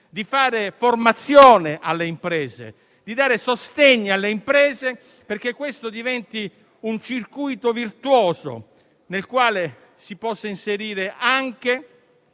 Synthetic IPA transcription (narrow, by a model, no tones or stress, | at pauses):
d̪ifaːɾeformat̪sːjoːneʔalːeimpɾɛːzḛ | d̪id̪aːɾesost̪eɲːialːeimpɾɛːze | perk̟ekːwest̪od̪ivɛnt̪i | unt͡ʃirkujt̪ovirt̪wɔːzo̰ | nelkwaːle | sipɔsːainseɾiːɾeʔaŋk̟e